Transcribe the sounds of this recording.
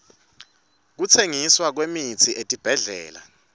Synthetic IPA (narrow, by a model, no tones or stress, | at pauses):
k̬ut͡sʰeŋiswak̬wemit͡sʰiʔetʼib̥ʱɛɮɛ̰ːla̰